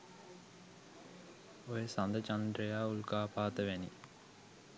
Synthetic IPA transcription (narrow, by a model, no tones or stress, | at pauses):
ojesand̪ət͡ʃand̪ɾejaːulkaːpaːt̪əʋɛni